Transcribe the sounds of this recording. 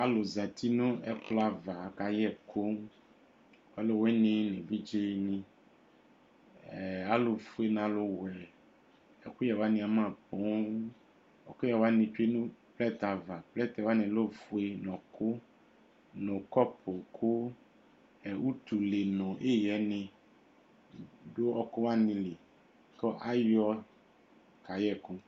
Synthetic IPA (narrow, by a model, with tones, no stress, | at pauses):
a˦lo˨zã˨t̪i˦nõ˦ɛ˦kla˨va˨ka˨jɛ˦kʰo˦ | wa˦lo˨wɛ˦nẽ˦nẽ˨vi˦d͡ʒe˦nĩ˦ | ɛ˨a˦lo˨fu˦e˨nã˨lo˨wɛ˨ | ɛ˨ku˦jɛ˨wa˦nĩ˨a˨mã˦˨bõ˨˦ | ɛ˨ku˦jɛ˨wa˦nĩ˨t͡ʃe˦nũ˦plɛ˦t̪a˨va˨plɛ˦t̪ɛ˨wa˦nɪ̃˨lo˦fu˦e˦nɔ̃˨kʊ˦ | nɔ̃˨kɔ˦pʰo˨kʰʊ˦ | ɛ˨wu˦t̪u˨le˨nɔ̃˨ʔe˦jɛ˨˦nɪ̃˨ | do˦ɔ˦kʊ˦wa˦nɪ̃˨le˨ | kɔ˦ʔa˦jɔ˦ | ka˨jɛ˦˨kʊ̃˦